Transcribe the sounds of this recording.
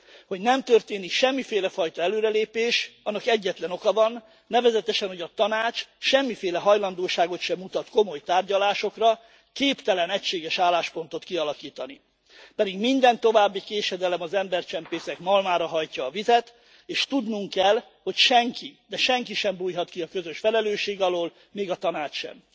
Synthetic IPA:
ho̞ɟnɛmt̪ørt̪eːnikʃɛmːifeːlɛfɒjt̪ɒɛløːɾɛleːpeːʃɒnːɒkɛɟːɛt̪lɛno̞kɒvɒnː | ɛvɛzɛt̪ɛʃɛnho̞ɟɒt̪ɒnaːt͡ʃʃɛmːifeːlɛɦɒjlɒnd̪oːʃaːɡo̞t̪ʃɛmut̪ɒt̪ko̞mo̞jt̪aːrɟɒlaːʃo̞krɒ | keːpt̪ɛlɛnɛcʃeːɡɛʃaːlːaːʃpo̞nt̪o̞t̪kiɒlɒkiːt̪ɒni | pɛd̪iɡmind̪ɛnt̪o̞vaːbːikeːʃɛd̪ɛlɛmɒzɛmbɛrt͡ʃɛmpeːsɛkmɒlmaːɾɒɦɒjcɒːvizɛt̪ | eːʃt̪ud̪nuŋkɛl | ho̞cʃɛŋkid̪ɛʃɛŋkiʃɛmbuːjɦɒt̪kiɒkøzø̞ʃfɛlɛløːʃeːɡɒloːl | meːɡɒt̪ɒnaːt͡ʃʃɛ̰m

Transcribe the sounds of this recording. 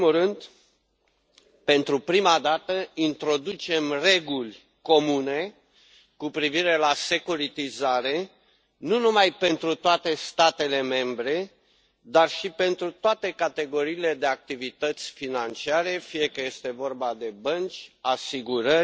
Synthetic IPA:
murɨnd̪ | pe̞nt̪ɾupɾimad̪at̪əint̪ɾo̞d̪ut͡ʃe̞mre̞ɡulʲ | ko̞mune̞ | kupɾiviɾe̞lase̞kuɾit̪izaɾe̞ | nunumajpe̞nt̪ɾut̪oat̪e̞st̪at̪e̞le̞me̞mbɾe̞ | d̪arʃipe̞nt̪ɾut̪oat̪e̞kat̪e̞ɡo̞ɾiːle̞d̪e̞ak̚t̪ivit̪ət̪sʲfinant͡ʃiaɾe̞fije̞kəje̞st̪e̞vo̞rbad̪e̞bənt͡ʃʲasiɡuɾə

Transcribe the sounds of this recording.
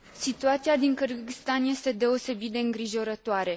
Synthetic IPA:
sit̪uat̪siad̪iŋkɨɾɡist̪anje̞st̪e̞d̪e̞o̞se̞bit̪̚d̪e̞ɨŋɡɾiʒo̞ɾət̪oaɾe̞

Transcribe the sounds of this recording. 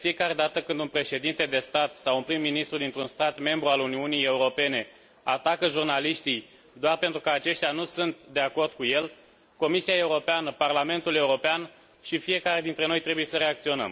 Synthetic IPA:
efije̞kaɾe̞d̪at̪əkɨnd̪unpɾe̞ʃe̞d̪int̪e̞d̪e̞st̪at̪sawunpɾimːinist̪ɾud̪int̪ɾunst̪at̪me̞mbɾualuniunije̞uɾo̞pe̞ne̞ | at̪akəʒurnaliʃt̪ij | d̪oarpe̞nt̪ɾukəat͡ʃe̞ʃt̪ʲanusunt̪d̪e̞ako̞rd̪̚kuje̞l | ko̞misiae̞uɾo̞peanəparlame̞nt̪ule̞uɾo̞pean | ʃifije̞kaɾe̞d̪int̪ɾe̞no̞jt̪ɾe̞buje̞səɾe̞ak̚t̪sio̞nə̰m

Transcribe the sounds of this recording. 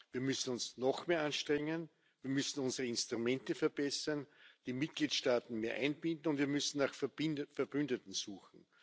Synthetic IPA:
viːɐmʏsn̩ʊnsnɔxmeːɐʔanʃtʁ̥ɛŋən | viːɐmʏsn̩ʊnzəʁəɪnstʁ̥umɛ̃ntəfɛɐb̥ɛsɐnd̥iːmɪt̚ɡ̥liːtʃtaːtn̩meːɐʔæ̰ɪnbɪndn̩ʊntviːɐmʏsn̩naxffɛɐbʏndətn̩suːxn̩

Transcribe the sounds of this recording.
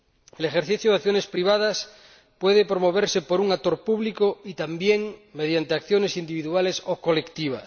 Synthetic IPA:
elexeɾθiθjoðaθjone̞spɾiβ̞að̞as | pwe̞ðepɾo̞mo̞β̞eɾsepo̞ɾuŋat̪o̞ɾpuβlikoit̪ambjeŋme̞ð̞jant̪eakθjone̞sind̪iβiðualesoko̞lekt̪iβ̞a̰s

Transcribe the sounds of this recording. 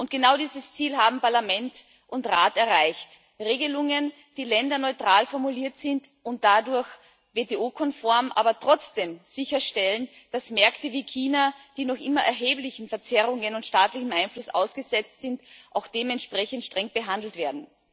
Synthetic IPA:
ʔʊnt̚ɡ̥ənaʊdiːzəst͡siːlɦaːbm̩paɐlamɛnt | ʔʊntʁaːtɛɐʁaɪçt | ʁeːɡəlʊŋən | d̥iːlɛndɐnɔʏtʁ̥aːlfɔɐmuliːɐtz̥ɪntʊnt̚d̥adʊɐç | veːteʔoːkʰɔnfɔɐmʔa̰ːbɐtʁ̥ɔt͡sd̥eːmz̥ɪçɐʃtɛlən | d̥asmɛɐktəviːkʰiːnad̥iːnɔχʔɪmɐʔɛ̰ɐɦeːplɪçn̩fɛɐt͡sɛʁʊŋənʊntʃtaːtlɪçn̩ʔaɪnflʊsʔa̰ʊsɡ̥əzɛt͡stz̥ɪntʔaʊxd̥eːmɛntʃpʁ̥ɛçən̩tʃtʁ̥ɛŋb̥əɦandl̩tv̥eːɐdn̩

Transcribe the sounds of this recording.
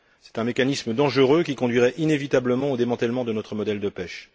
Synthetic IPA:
sɛ̥t̪ɛ̃mekanisməd̪ɑ̃ʒəʁøkʲikɔ̃d̪ɥiʁɛʔinevit̪abləmɑ̃od̪emɑ̃t̪ɛlmɑ̃d̪ənɔt̪χəmɔd̪ɛld̪əpɛʃ

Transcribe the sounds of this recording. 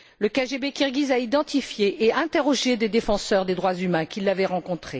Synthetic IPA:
ləkaʒebekʲiʁɡʲizaid̪ɑ̃t̪ifjeʔeɛ̃t̪eʁɔʒed̪ed̪efɑ̃sœʁd̪ed̪ʁwazymɛ̃kʲilːavɛʁɑ̃kɔ̃t̪χe

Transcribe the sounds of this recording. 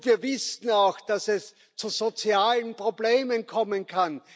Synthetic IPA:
v̥iːɐvɪsn̩aʊxd̥asɛs | t͡suzot͡sjaːlənpʁ̥obleːmənkʰɔmənkʰan

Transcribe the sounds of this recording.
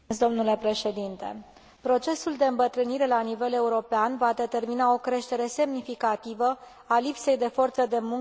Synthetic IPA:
sd̪o̞mnule̞pɾe̞ʃe̞d̪int̪e̞̰ | pɾo̞t͡ʃe̞suld̪e̞ɨmbət̪ɾɨniɾe̞lanive̞le̞uɾo̞peanvad̪e̞t̪e̞rminao̞kɾe̞ʃt̪e̞ɾe̞se̞mnifikat̪ivə | alipse̞jd̪e̞fo̞rt̪səd̪e̞muŋ

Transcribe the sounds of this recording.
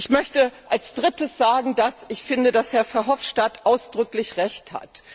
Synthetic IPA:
ʔɪçmœçtəʔalsd̥ʁɪtəsz̥aːɡŋ̩dasɪçfɪndədashɛɐfɛɐɦɔfʃtatʔaʊsd̥ʁʏklɪçʁɛçtha̰t

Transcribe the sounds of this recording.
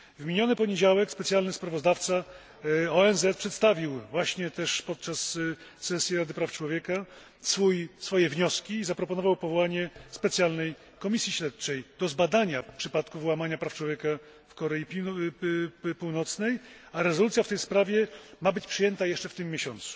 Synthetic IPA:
vmʲiɲɔnɘpɔɲed͡ʑawɛkspɛt̪sjalnɘspɾavɔzd̪aft̪sa | ɔɛnzɛt̪pʂɛt̪st̪avʲiwvwaɕɲɛt̪ɛʂpɔt̪̚t͡ʂasː | ɛsʲjɛɾad̪ɘpɾaft͡ʂwɔvʲjɛka | sfujsfɔjɛvɲɔskʲiːzapɾɔpɔnɔvawpɔvɔwaɲɛspɛt̪sʲjalnɛj | kɔmʲisʲjiɕɾɛt̪̚t͡ʂɛjd̪̥ɔzbad̪aɲafpʂɘpat̪kuvwamaɲapɾaft͡ʂwɔvʲjɛka | fkɔɾɛji | puwnɔt̪snɛjaɾɛzɔlut̪sʲjaft̪ɛjspɾavʲjɛmabɘt͡ɕpʂɘjɛnt̪ajɛʂt͡ʂɛft̪ɘmːjeɕɔnt̪su̥

